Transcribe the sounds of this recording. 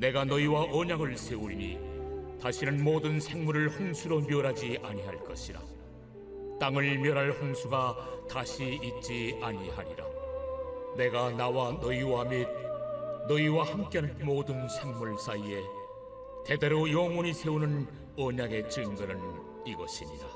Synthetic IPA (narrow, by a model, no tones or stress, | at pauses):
ne̞ɡanʌiwaʔʌɲaɡɯɭsʰe̞uɾɲḭtaɕʰinɯnmoːdɯnsʰe̞ŋmuɾɯɭhoŋsʰuɾomjʌɾɦad͡ʑiʔaɲiɦaɭk͈ʌ̰ɕʰiɾa̰ | t͈aŋɯɭmjʌɾɦaɭhoŋsʰuɡat̪aɕʰiːt̚t͡ɕ͈iaɲihaɾiɾa̰ | ne̞ɡanawanʌiwamid̚nʌiwahamk͈enɯnmodɯnsʰe̞ŋmuɭs͈aie̞ | te̞de̞ɾojʌŋwoɲisʰe̞unɯn | ʌɲaɡe̞t͡ɕ͈ɯŋɡɯnɯn | iɡʌɕʰiɲiɾa